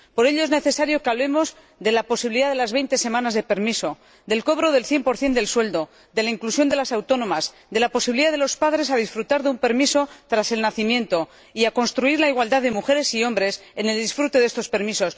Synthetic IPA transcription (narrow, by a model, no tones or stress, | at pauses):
po̞ɾe̞ʎo̞e̞zne̞θe̞saɾjo̞keaβle̞mo̞z | ðe̞lapo̞siβiliðaðe̞lazβe̞jnt̪e̞se̞mãnazðe̞pe̞ɾmiso̞ | d̪e̞lko̞β̞ɾo̞ðe̞lθje̞mpo̞ɾθje̞nd̪e̞lswe̞ld̪o̞ | d̪e̞laiŋklusjo̞nd̪e̞lasawt̪o̞nõ̞maz | d̪e̞lapo̞siβiliðaðe̞lo̞spaðɾe̞sað̞isfɾut̪aɾðeumpe̞ɾmiso̞t̪ɾase̞lnaθimjẽ̞nt̪o̞ | iako̞nst̪ɾuiɾlaiɣwald̪aðe̞muxe̞ɾe̞sio̞mbɾe̞sene̞ld̪isfɾut̪e̞ðe̞st̪o̞spe̞ɾmiso̞s